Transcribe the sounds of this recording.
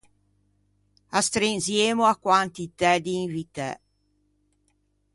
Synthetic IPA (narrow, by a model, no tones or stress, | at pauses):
ast̪ɾinzjeːmoakwant̪it̪ɛd̪iːɱvit̪ɛ̰